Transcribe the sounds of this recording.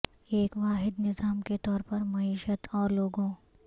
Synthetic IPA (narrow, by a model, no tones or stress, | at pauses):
eːkʋaːɦɪd̪nɪzaːmket̪ɔːɾpɐɾmɐiːʃət̪ʰɔːɾloːɡõ